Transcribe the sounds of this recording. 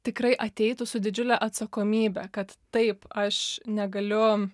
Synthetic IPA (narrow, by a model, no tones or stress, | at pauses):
t̪ʲɪkrɐɪʔɐt̪ʲɛɪt̪ʊsʊd̪ʲɪd͡ʒʲʊlʲæʔɐt̪sɐkoːmʲiːbʲɛkɐt̪ːɐɪpɐʃnʲɛɡɐlʲʊ